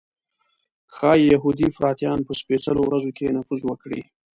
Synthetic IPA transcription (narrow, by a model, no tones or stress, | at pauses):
xɑjaɦud̪ifɾɑt̪jɑnpəspet͡səlowɾazokenafuzwəkɽḭ